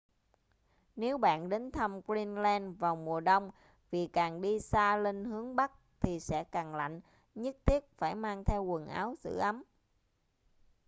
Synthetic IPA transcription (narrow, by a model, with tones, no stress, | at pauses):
ne˨˦wɓa̰ː˧˨nɗe˨˦nt̪ʰə˧mki˧nlɛ˧nvaː˨˩wmu˨˩əɗə˧wŋ͡m | vi˨˩kaː˨˩ŋɗi˧saː˧le˧nhɨ˨˦əŋɓa˦˥k̚t̪ʰi˨˩sɛ̰˧˥kaː˨˩ŋla̰˧˨jŋ̟ | ɲɨ˦˥t̚t̪ʰi˦˥ət̚faː˧˩jmaː˧ŋt̪ʰɛ˧wkə˨˩nʔa̰ː˨˦wzɨ̰˧˨ʔa˨˦m